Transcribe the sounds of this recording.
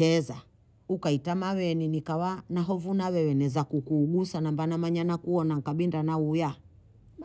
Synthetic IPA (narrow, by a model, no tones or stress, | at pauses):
ɛza | ukaitamawɛninikawanaɦɔvunawɛwɛnɛzakukuːɡusanambanamaɲanakuɔnaŋkaɓindanauja